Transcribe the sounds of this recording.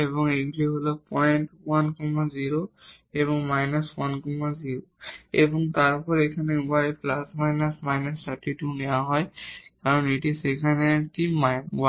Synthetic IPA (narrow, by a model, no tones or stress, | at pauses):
ebɔŋeɡliɦolɔk̚pɔjntwankɔmaziɹo | eβɔŋmajnaswankɔmaziɹoebɔŋtaɹpɔɹejkʰanɛapʰlasmajnasmajnastatitunɛjaɦɔjkaɹɔnetisekʰanɛtimawa